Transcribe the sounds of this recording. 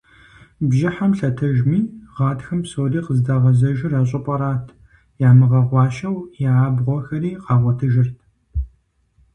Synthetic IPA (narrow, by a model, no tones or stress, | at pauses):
bʒɪħamɬɐtʰɐʒmiːʁɑːdxɐmpsoːriːqəzdɐʁɐzɐʒɪraːɕ̬ʼɪpʷʼɐɾaːtʰ | jaːmɨʁɐʁʷɑːʃɐwjaaːbʁʷɔxɐɾiːqɑːʁʷɐtʰɨʒɪrtʰ